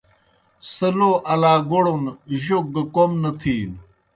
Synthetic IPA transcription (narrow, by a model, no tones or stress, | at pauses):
sɐloːʔɐlaːɡoɽonʑoɡkomnɐt̪ʰiːn